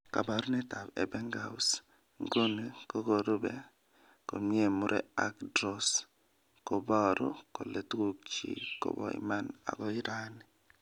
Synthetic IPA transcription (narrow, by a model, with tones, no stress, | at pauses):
ka˨ba˨ɾnɛ˦ta˨bɛ̰˨bɛ˦ŋɡa˨us | ŋɡo˦ne˨ko˦ko˨ɾo˦bɛ˨ | ko˨mi˦e˦˨mu˦ɾʔɛ̰˦a˦kdɾɔ˨s | ko˨bɔ˦ɾo˦ko˨le˨tku˦k̚t͡ʃḭ˨ko̰˨bɔ̰˨ḭ˦ma˦na̰˨kɔ˦i˦ɾa˦ni˨